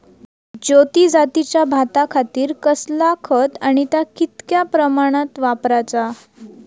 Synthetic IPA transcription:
d͡ʑot̪id͡zat̪it͡ɕjabʱat̪akʰat̪iːɾkəslakʰət̪aɽ̃it̪jakit̪kjapɾəmaɽ̃at̪ʋapɾat͡sa

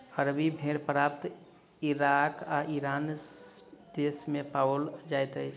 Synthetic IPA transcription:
həɾbibʱeɾpɾap̚t̪ | iɾakaʔiɾan | d̪esmepaold͡ʒajt̪əjt͡ʃʰ

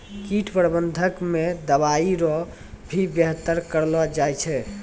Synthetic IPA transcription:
kiʈʰpɾbənd̪ʱəkmed̪əβaiɾɔ | bʱibjəɦt̪əɾkəɾlɔd͡ʒajt͡ʃʰɛ

